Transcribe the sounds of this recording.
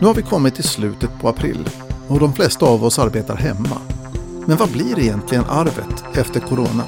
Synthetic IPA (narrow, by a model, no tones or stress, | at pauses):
nʉ̟ːhaɾvɪkʰɔmːɪt̪ʰːɪslʉ̟ːt̪ət̪̚pʰɔapʰɾɪ̰lː | ɔd̪ɔmflɛst̪aːvɔsaɾbeːt̪a̰ɾɦɛmːa̰ | mɛnvablɪɾɪjɛnt̪ʰlɪɡənʔaɾvə̰t̪ɛft̪əɾkʰʊɾoːna